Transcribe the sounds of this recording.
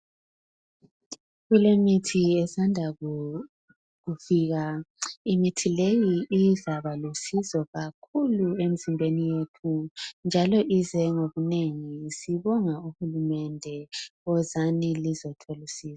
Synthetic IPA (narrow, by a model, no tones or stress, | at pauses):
ɣulemitʰiɛsandʱaɣu | ɣufiːɣaimitʰilejiːzaβalusizɔɣakʰuluem̩zimbʱenijetʰund͡ʒʱalɔʔizɛŋoβuneŋisiβɔŋauhulumɛndʱɛɣɔzanilizɔtʰolusiːzḁ